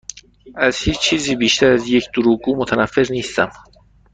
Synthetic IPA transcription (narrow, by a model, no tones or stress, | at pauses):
ʔæzhiːt͡ʃt͡ʃʰiːziːbiːʃt̪ʰæɾæzjecʰd̪̥oɾuːɡuːmot̪ʰænæfːeɾniːst̪æm